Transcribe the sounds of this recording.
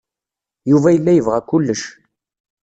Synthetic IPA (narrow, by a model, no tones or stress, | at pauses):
juvæjəlːæjəvʁækʊlːəʃ